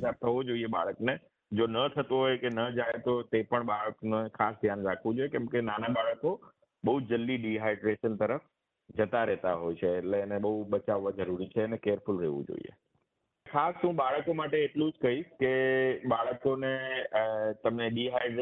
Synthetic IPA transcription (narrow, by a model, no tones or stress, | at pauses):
saɾ̚t̪ʰəʋod͡ʒoieba̰ɭəkne | d͡ʒonət̪ʰət̪oɦojkenəd͡ʒajt̪ot̪epəɳɓaɭəknoekʰasd̪ʱjanɾakʰʋũd͡ʒojekɛ̃ːmkenanabaɭəko | bəɦud͡ʒəlːiɖiɦajɖɾeʃənt̪əɾəf | d͡ʒət̪aɾɛɦt̪aɦojt͡ʃʰeːʈleːneɓəɦuɓət͡ʃaʋːad͡ʒəɾuɾit͡ʃʰenekeɾfʊlɾɛʋṵ̃d͡ʒo̰ḭḛ | kʰast̪ũɓaɭəkomaʈeːʈlũd͡ʒkəiʃkeɓaɭəkone | t̪əmneɗiɦaɪɖɾ